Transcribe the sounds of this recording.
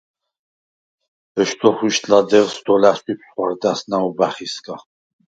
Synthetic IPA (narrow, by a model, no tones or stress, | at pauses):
ɛʃt̪ʰʼɔχiʃt̪ʼlad̪ɛvsd̪ɔlasipʰsχwaɾd̪asnaɔbaχiskʼa